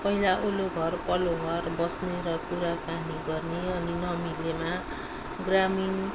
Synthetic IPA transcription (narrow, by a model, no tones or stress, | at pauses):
pʌɦilaʔoloɡʱʌrpʌloɡʱʌrbʌsneɾʌkuɾakaniɡʌrneʌninʌmilema | ɡramin